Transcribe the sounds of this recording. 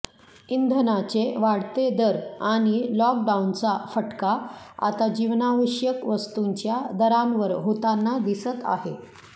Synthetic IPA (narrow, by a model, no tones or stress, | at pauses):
ind̪ʱənat͡seʋaɽt̪ed̪əɾaɽ̃ilɔk̚ɖaunt͡safəʈkaa̰t̪ad͡ʑiʋnaʋəɕjəkʋəst̪uɲt͡ɕjad̪əɾanʋəɾɦot̪anːad̪isət̪a̰ɦe